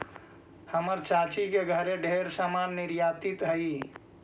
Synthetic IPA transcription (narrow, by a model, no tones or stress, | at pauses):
həməɾt͡ʃat͡ʃikeɡʱəɾeɖʱeɾsamanːiɾjat̪it̪ɦəi